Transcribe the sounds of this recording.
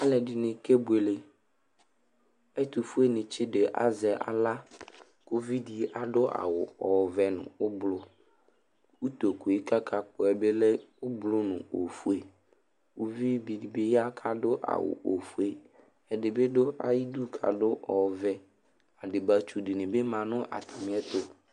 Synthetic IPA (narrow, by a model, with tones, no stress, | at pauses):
a˦lɛ˨dɪ˨nɪ̃˨ke˦bu˨e˨le˨ | ɛ˦t̪u˨fu˦e˦nɪ̃˨t͡ʃʰɪ˦dɪ˨ʔa̰˨zɛ˨ʔa̰˨la˦ | ko˦vi˦di˨˦ʔa˨dʊ˦ʔa̰˨wʊ̰˨ɔ˨vɛ˨nʊ̰̃˨ʊ˦blʊ˦ | u˦t̪o˨ku˨e˦ka˦kʰa˦k͡pʊ˨ɛ˨be˦lɛ˦ʊ˦blʊ˦nʊ̰̃˨o˨fu˦e˨ | u˦vi˦bi˨di˨be˦ja˦kʰa˨dʊ˦ʔa̰˨wʊ̰˨ʔo˨fu˦e˦ | ɛ˨dɪ˨be˦dʊ˦ʔa̰˨ji˦du˦kʰa̰˨dʊ˦ʔɔ˨vɛ˦ | a˨dɪ˨ba˦t͡ʃu˦dɪ˨nɪ̃˨be˦mã˨nʊ̃˦ʔa̰˨t̪ʰa˨mɪ̃˨˦ɛ˦t̪ʊ˦